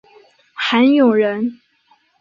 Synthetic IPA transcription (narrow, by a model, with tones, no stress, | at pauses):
xə˧˥njo˨˩ʊɻə˧˥n